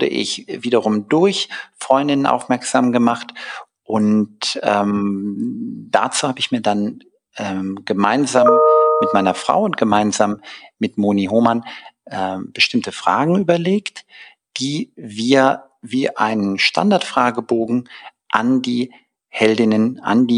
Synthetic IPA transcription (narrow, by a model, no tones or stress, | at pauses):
ʊdə̰ʔɪ̰çviːɾɐʁ̞ʊmdʊɐçfʁ̥ɔʏndɪnənʔa̰ʊfmɛɐkz̥aːmɡəmaχt | ʔʊntʔɛːm | d̥at͡suːhaːbəɪçmiːɐdan | ʔɛːmɡ̥əmaɪnzaːmːɪtmaɪnɐfʁ̥a̰ʊʊntɡ̥əmaɪnzaːmːɪtmoːniɦoːmanʔɛb̥əʃtɪmtəfʁ̥a̰ːɡŋ̩yːbɐleːkt | d̥iːviːɐ | viːʔa̰ɪnənʃtʰa̰ndaɐtfʁ̥aːɡəboːɡŋ̩ | ʔandiː | hɛldɪnənʔa̰ndiː